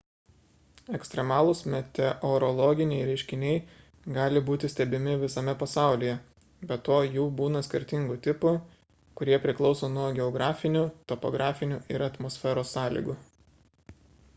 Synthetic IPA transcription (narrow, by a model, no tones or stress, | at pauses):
ɛksʲt̪ɾʲɛmɑːlˠʊsmʲɛt̪ʲɛʔɔɾɔlˠɔːɡʲɪnʲɛɪɾʲɛɪʃʲkʲɪnʲɛɪ | ɡɑːlʲɪbuːt̪ʲɪsʲt̪ʲɛbʲɪmʲɪʋʲɪsɐmʲɛpɐsɑˑʊlʲiːjɛ | bʲɛt̪oːjuːbuːnɐsʲkʲɪɾʲt̪ʲɪŋɡʊt̪ʲɪpʊ | kʊɾʲiɛpʲɾʲɪklˠɒʊsoːnuɔɡʲɛɔɡɾɑːfʲɪnʲuːt̪ɔpɔ̰ɡɾʔɑːfʲɪnʲuʔɪɾɐt̪mɔsʲfʲɛɾoːsːɑːlʲḭɡu